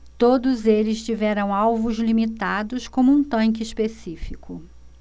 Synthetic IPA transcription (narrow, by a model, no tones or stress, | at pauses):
t̪od̪ʊzelɪst͡ʃivɛɾɐ̃w̃awvʊzlimit̪ad̪ʊskõmʊũt̪ɐ̃ŋk̬ɪispesifikʰʊ